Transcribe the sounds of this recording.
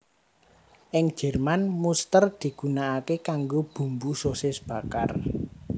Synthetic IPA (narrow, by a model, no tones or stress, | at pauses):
ʔɪŋ̥ʒ̥ɛ̤rmanmust̪ərd̪̥i̤ɡ̥unaːkekaŋɡob̥ṳmbusosɪsb̥ä̤kar